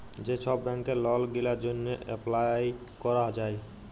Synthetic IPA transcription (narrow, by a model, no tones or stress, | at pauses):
d͡ʑeʃʰɔbːɛŋkeɾlɔlɡilaɾd͡ʑonːeʔɛplajkɔɾad͡ʑae